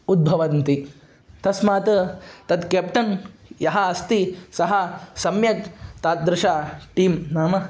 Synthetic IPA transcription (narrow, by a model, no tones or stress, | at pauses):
ud̪̚bʱɐʋɐnt̪i | t̪ɐsmaːt̪ɐt̪ɐd̪keːp̚ʈ̪ɐnjɐɦɐɐst̪isɐɦɐsɐmjɐkt̪aːt̪̚d̪ɾɪʃaːʈiːmnaːmɐ